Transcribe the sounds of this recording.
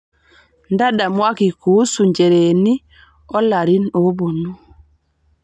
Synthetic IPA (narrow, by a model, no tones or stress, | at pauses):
ndaɗamwakikusuɲd͡ʒɛɾeni | ɔlaɾinobonu